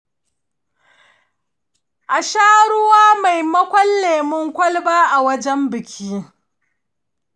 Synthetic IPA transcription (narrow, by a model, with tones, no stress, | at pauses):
ʔa˨ʃaː˦ɽʊ˦waː˦ma˨jmɐ˦kʷɔ˦lːeː˨mʊ˦ŋkʷɐ˦lbaː˦ʔa˨wɐ˦d͡ʒɛ˦mbɪ˨kʲʰiː˦